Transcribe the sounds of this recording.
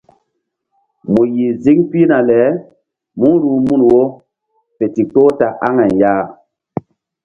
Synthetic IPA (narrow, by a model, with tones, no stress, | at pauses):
mu˨ji˨zi˦ŋpi˦na˨lɛ˨˦ | mu˦ɾu˨˦mu˦nwo˦ | pe˨ti˨to˦ta˨ʔa˦ŋɛ˨njaː˦˨